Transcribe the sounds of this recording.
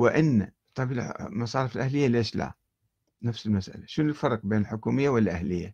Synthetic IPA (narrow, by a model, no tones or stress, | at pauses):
wɪʔɪnːa | t̪ˤɑbilmɑsˤɑːɾɪfɪlʔahlɪjːaleːʃla̰ | nafsɪlmasʔa̰laʃʊnɪlfɑɾˤq̚beːnɪlħʊkuːmɪjːawɪlːaʔahlɪjːa